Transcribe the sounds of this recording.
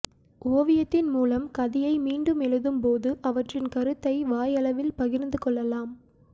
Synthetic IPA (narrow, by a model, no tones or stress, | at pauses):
ʔoːʋɪjɐt̪ːɪnmuːlɐmkɐðɪjɐɪmiːɳɖɯmɛɻɯðɯmpoːðɯʔɐʋɐʈrɪnkɐɾɯt̪ːɐɪʋaːjɐlɐʋɪlpɐɣɪɾnd̪ɯkɔɭːɐlaːm